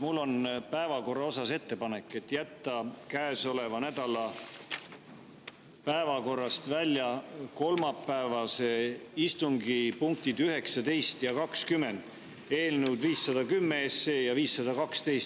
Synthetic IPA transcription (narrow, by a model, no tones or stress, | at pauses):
mulːo̞npæe̞vɑko̞rːɑo̞sɑse̞t̪ːe̞pɑne̞kːˑe̞t̪ːˑjæt̪ːɑkæeso̞le̞vɑnæd̪̥ɑlɑ | pæevɑko̞rːɑst̪vælʲjɑko̞lmɑpːæevɑse̞ist̪uŋɡipuŋk̚t̪id̪yɦe̞ksɑt̪e̞jst̪jɑkɑkskymːe̞nd̪̥ | e̞ːlnuwd̪viːsːɑd̪ɑkymːeesːe̞ːjɑviːsːɑd̪̥ɑkɑkst̪e̞jst̪